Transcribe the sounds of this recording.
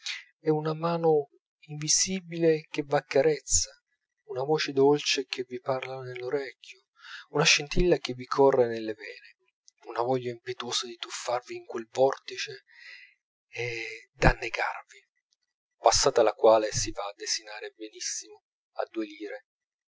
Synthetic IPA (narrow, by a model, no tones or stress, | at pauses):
ɛunamaːno | iɱvisiːbilek̟evːakːaɾet̪sːa | unavoːt͡ʃed̪olt͡ʃek̟ʰeviparlanelːoɾɛkʰʲːjo | unaʃːint̪ilːak̟evikʰɔrːenelːevɛːne | unavɔʎːaimpet̪oːzad̪it̪ufːarviːŋkwelvɔrt̪it͡ʃe | ɛd̪anːeɡa̰rvi | pasːaːt̪alakwaːlesivaːd̪ːesinaːɾebenisːimo | a̰d̪ːueliːɾe